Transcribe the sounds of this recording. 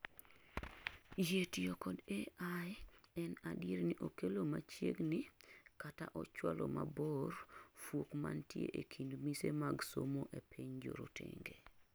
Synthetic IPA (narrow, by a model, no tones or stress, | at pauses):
jetjokɔdeajɛnadjeɾniʔokelomat͡ʃjeɡnɪkataʔɔt͡ʃwalɔmabɔrfwokmantjḛʔekʰindmisemaɡsomoʔepʰiɲd͡ʒoɾotḛŋɡe